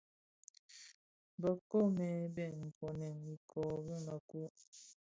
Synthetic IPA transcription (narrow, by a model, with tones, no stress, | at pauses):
bə˨ko˦mɛ˨˦bɛ˦˨m̩˨pɔ˨nɛ˨ni˨kʰɔ˨bi˦ma˨ku˦